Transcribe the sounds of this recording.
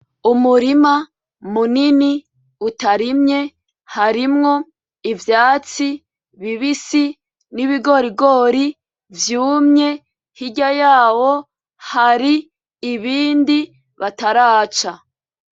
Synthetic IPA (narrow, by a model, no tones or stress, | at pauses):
umuɾima | munini | utaɾimɲe̞ | haɾimŋo̞ | ivjaːt͡si | βiβisi | niβiɡo̞ɾiɡo̞ːɾi | vjuːmɲe̞ | hiɟajaːwo̞ | haɾiː | βiːndi | βataɾaːt͡ʃa